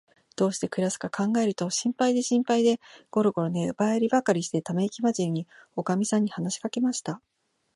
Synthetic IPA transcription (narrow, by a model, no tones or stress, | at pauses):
d̪̥o̞ːɕi̥t̪e̞kɯ̟ɾasɨ̥kakʰãŋɡae̞ɾɯ̟t̪o̞ɕĩmpaid̪e̞ɕĩmpaid̪e̞ɡ̥o̞ɾo̞ɡo̞ɾo̞nebaeɾʲibakaɾʲiɕi̥t̪e̞t̪ame̞ikʲimad͡ʑiɾɯɲ̟io̞kamʲisãɲ̟ːihanaɕi̥kake̞maɕi̥t̪a